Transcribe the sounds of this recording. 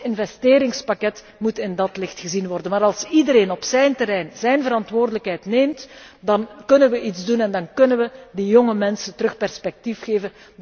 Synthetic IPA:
ɪnvɛsteːɾɪŋspakɛt | mutɪndɑtlɪxtxəzinʋɔrdənmaːɾɑlˠsidəɾeːnɔpsɛjntəɾɛjnzɛjnvəɾɑntʋoːrdələkɦɛjtneːmtdɑnkɵnənʋəʔidzdunɛndɑnkɵnənʋədijoŋəmɛnsəntəɾɵxpɛrspɛk̚tifxeːvən

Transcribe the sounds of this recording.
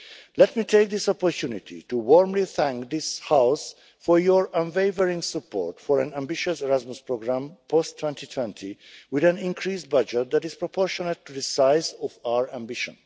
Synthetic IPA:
lɛtmitʰeɪk̚ðɪsɔpɔɹtʰunitʰḭtuwɔɹmliθæ̃ŋkd̪ɪshaʊs | fɔɹjɔɹə̃nveɪvəɹɪ̃ŋsəpʰɔ̰ɹtfɔɹæ̃næ̃mbɪʃəsɛɹazmuspʰɹoɡɹãmpʰɔstʰw̥ɛ̃ntitʰwɛ̃ntʰiwɪðæ̃nĩnkʰɹiːs̚bʌd͡ʒɛt̪̚d̪æɾɪz̥pɹɔpʰɔɹʃɔnəttːuðəsaɪzɔfaʊə˞æ̃mbɪʃə̰̃n

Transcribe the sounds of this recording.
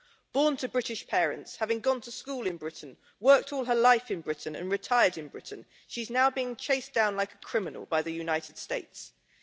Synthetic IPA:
b̥ɔːntʰəbɹɪtɪʃpʰɛːɹə̰̃ntshavɪ̃ŋɡɒ̃ntʰəskuːlɪ̃nbɹɪʔn̩ | wɜˑk̚tʰɔːlˠəlaɪfɪ̃nbɹɪʔn̩ə̰̃nɹɪtʰaɪədɪ̃nbɹɪ̰ʔn̩ | ʃiznaʊbiɪ̃ŋt͡ʃʰeɪsd̥ãʊ̃nlaɪkəkʰɹ̥ɪmɪnə̰lˠbaɪðəjʉnaɪtʰɪd̥steɪts

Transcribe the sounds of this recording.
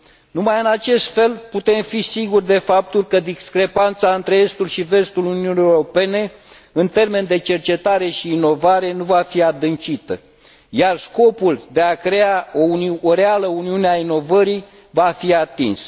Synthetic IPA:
numajɨnat͡ʃe̞st̪fe̞lput̪e̞mfisiɡurd̪e̞fap̚t̪ulkəd̪iskɾe̞pant̪saɨnt̪ɾe̞e̞st̪ulʃive̞st̪ulununieɾo̞pe̞ne̞ɨnt̪e̞rme̞nd̪e̞t͡ʃe̞rt͡ʃe̞t̪aɾe̞ʃiːno̞vaɾe̞nuvafiad̪ɨnt͡ʃit̪ə | jarsko̞puld̪e̞akɾe̞ao̞unoɾealəuniuneaino̞vəɾij | vafiat̪ins

